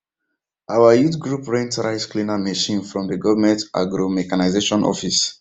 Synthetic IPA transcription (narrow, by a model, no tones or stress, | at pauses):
ʔawəjutɡɹupɹɛ̃ntɹaɪsklĩnameʃĩnfɹɔ̃mðəɡɔvəmɛ̃ntʔa̰ɡɹomɛkanaɪzeʃɔ̃nʔɔ̰fis